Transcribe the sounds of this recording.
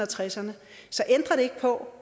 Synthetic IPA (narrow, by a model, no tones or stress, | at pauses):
ɐt͡sʰʁɛsɐnə | sɒ̽ʔend̥ʁɐɾ̥e̝e̝ɡ̥̚pʰɒ̽